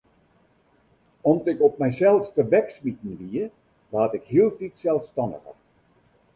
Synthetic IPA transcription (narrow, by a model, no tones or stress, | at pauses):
ɔmtɪkɔp̚mɛjsɛlˠstəʋɛksmitn̩ʋiə | ʋaːtɪkhiəlˠtitsɛlˠstɑndə̰xə̰